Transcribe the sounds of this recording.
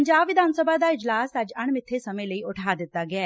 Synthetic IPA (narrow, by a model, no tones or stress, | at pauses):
əɲd͡ʒaːbʋɪd̪aːnsəbaːd̪aːɪd͡ʒlaːsəd͡ʒəɳmɪt̪ʰːeːsəmẽːləiːʊʈʰaːd̪ɪt̪ːaːɡɪaː